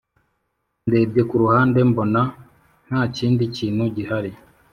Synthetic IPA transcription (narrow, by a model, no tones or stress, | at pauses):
nde̞ːbɟe̞kuɾuhaːnde̞mbo̞na | n̥haːciːndiciːn̥huɟihaɾi